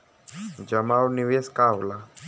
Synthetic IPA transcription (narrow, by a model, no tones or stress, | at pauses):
d͡ʒɐmawniʋeskaːwla